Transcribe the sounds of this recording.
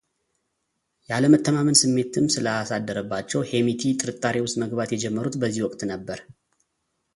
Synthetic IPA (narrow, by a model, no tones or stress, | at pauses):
jaləmət̪ːəmamɨnsɨmːe̞t̪ʰɨmsɨləasad̪ːəɾəbːat͡ʃːɛwhe̞mit̪ʰit̪ʼɨɾɨt̪ʼːaɾewʊst̪məɡβat̪jɛd͡ʒɛmːəɾut̪bəzːihwɔkʼt̪nəbːəɾ